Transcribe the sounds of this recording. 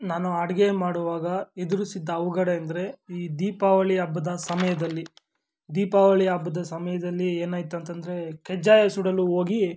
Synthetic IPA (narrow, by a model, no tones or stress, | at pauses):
naːnuɐɽɐɡemaːɽuʋaːɡɐed̪uɾusid̪ːɐːʋuɡɐɽeɐnd̪ɐɾe̞iːd̪iːpaːʋɐɭiɐbːɐd̪ɐsɐmɐjɐd̪ɐlːi | d̪iːpaːʋɐɭiɐbːɐd̪ɐsɐmɐjɐd̪ɐlːieːnaːjt̪uɐnt̪ɐnd̪ɐɾe̞kɛd͡ʒaːjɐsuɽɐluɦoːɡi